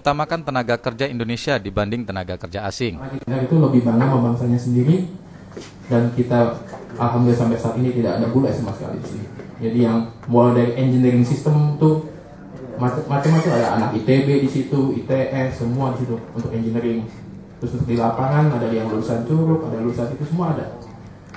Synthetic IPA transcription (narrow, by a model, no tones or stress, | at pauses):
ut̪amakant̪ənaɡakərd͡ʒaindonesiadibandɪŋt̪ənaɡakərd͡ʒaasɪŋait̪naɾit̪uləbɪhbanamabaŋsaɲasəndiɾi | dankit̪aʔalɦamdulsampɛsaat̪init̪idakadabulɛsamasə̥ka̰lḭsɪ̰hd͡ʒadijaŋmoladaɾiʔɛɲd͡ʒəniɾɪŋsist̪əmt̪u | mat͡ʃːat͡ʃamat͡ʃəmadaʔa̰nakit̪ebedisit̪uit̪eʔɛsəmuadisit̪uunt̪ʊkɛɲd͡ʒəniɾɪŋ | t̪ɾʊsəpərt̪ilapaŋanadadijaŋluusant͡ʃuɾʊkadaluusanit̪usəmuaːda̰